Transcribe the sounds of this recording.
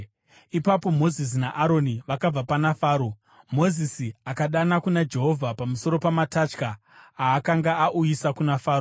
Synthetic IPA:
ipapo̞mo̞zis̬inaʔaɾo̞niʋakab͡vapanafaːɾo̞ | mo̞zisiakaɗanakunad͡ʒe̞ɦo̞vʱapamuso̞ɾo̞pamatat͡ʃkaː | kaŋɡaaʔujisakunafaːɾo

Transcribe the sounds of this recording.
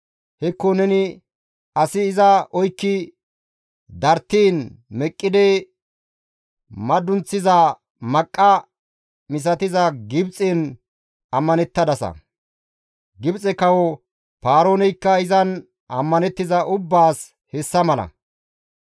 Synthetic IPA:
hɛkːɔnɛnɪ | ɐsɪːzɐɔjkːɪ | d̪ɐɾt̪ːiːnmɛkʼːɪd̪ɛ | mɐd̪ːʊnt͡sːɪzɐ | mɐkʼːɐ | mɪs̬ɐt̪ɪzɐɡɪbt͡sʼɛn | ɐmːɐnɛt̪ːɐd̪ɐsɐ̰ | ɡɪbt͡sʼɛkɐwɔ | paːɾoːnɛjkːɐɪzɐn | ɐmːɐnɛt̪ːɪzɐʔʊbːaːs | hɛsːɐmɐlɐ̰

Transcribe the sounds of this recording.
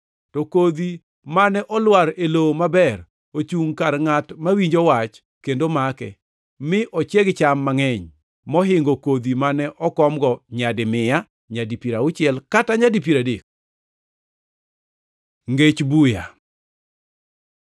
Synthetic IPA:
tɔkod̪i | manɛʔɔlwaɾelomabɛr | ot͡ʃuŋkarŋatmawiɲd͡ʒɔwat͡ʃ | kendomakɛ̰ | mɪʔɔt͡ʃjɛɡt͡ʃamːaŋɛɲ | mɔɦɪŋɡokod̪imanɛʔɔkɔmɡɔɲadɪmɪja | ɲadipiɾaʊt͡ʃɪɛlkataɲadip̬iɾadek̚ | ŋɡet͡ʃbuja̰

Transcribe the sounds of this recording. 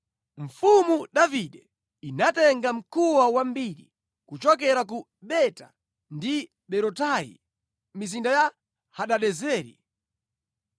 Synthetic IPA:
ɱ̩fumuɗaviɗɛ | inatɛŋɡam̩kʰuwawambiɾḭ | kut͡ʃɔkɛɾak̬u | ɓɛta̰ | ndi | ɓɛɾɔtajḭ | mis̬indaja | haɗaɗɛzɛːɾḭ

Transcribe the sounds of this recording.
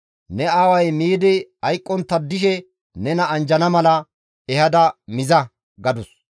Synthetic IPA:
nɛaːwɐjmiːd̪ɪɐjkʼːɔnt̪ːɐd̪ːɪʃ̬ɛ | nɛnɐːnd͡ʒɐnɐmɐlɐ | ɛhɐd̪ɐmɪzɐ | ɡɐd̪ʊs

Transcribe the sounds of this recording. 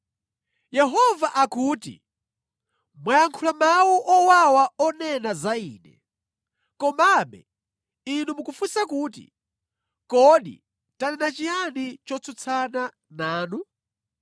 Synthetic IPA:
jɛɦɔvaʔakuːtḭ | mwajaŋkʰulamawuʔɔwawaɔnɛnazaiːnɛ̰ | kɔmaɓɛ̰ | inumukufusakuːtḭ | kɔɗḭ | tanɛnat͡ʃijanit͡ʃɔt͡sʰɔt͡sʰana | naːnu

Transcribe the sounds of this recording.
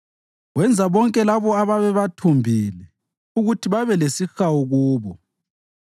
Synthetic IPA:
ɣwɛnd͡zʱaβɔŋkʼɛlaβɔaβaβɛβatʰumbʱilɛ | uɣutʰiβaβɛlesixawuɣuːβɔ

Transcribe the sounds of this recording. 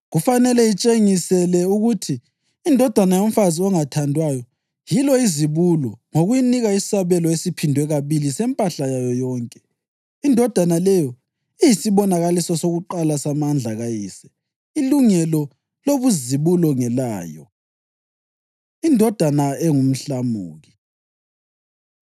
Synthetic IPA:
ɣufanɛlɛjit͡ʃʼeŋisɛlɛuɣutʰiː | ndʱɔd̥ʱwanajom̩faziɔŋatʰandʱwajɔ | jilɔiziβulɔŋoɣujiniɣaissaβɛlɔesipʰindʱwɛɣaβilisɛmpʼaɬajajɔjɔːŋkʼɛ̥ | indʱɔd̥ʱanalɛjɔ | ɛjisiβɔnaɣalisɔsoɣuǃalasamand͡ɮʱaɣajiːsɛ̥ | iluŋɛlɔ | loβuziβulɔŋɛlaːjɔ̰ | indʱɔd̥ʱanaɛŋum̩ɬamṵːɣi

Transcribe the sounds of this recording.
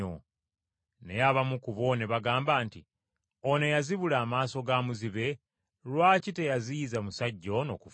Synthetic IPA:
o | ne̞jaβamukuβo̞ne̞βaɡaːmbaːntḭ | one̞jaziβulaːmaːso̞ɡamuziβe̞ | lwaːcite̞jazijizamusaɟːo̞no̞̰ːkuf

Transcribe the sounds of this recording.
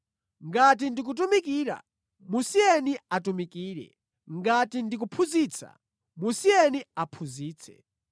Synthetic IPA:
ŋɡat̬indik̬ut̬umikiːɾa̰ | musiɛniatumikiːɾɛ̰ | ŋɡatindik̬upʰuziːt͡sʰa̰ | musiɛniapʰuziːt͡sʰɛ̥̰

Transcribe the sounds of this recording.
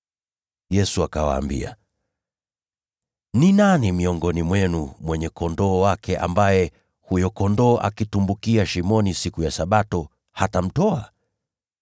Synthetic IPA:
jɛsuakawa̰ːmbḭa̰ | ninanimiɔŋɡɔnimwɛnumwɛɲɛkɔndɔːwakʰɛʔa̰mbajɛ | hujɔkɔndɔːʔa̰kitumbukiaʃimɔnisikujasaɓatɔ | hatam̩tɔa̰

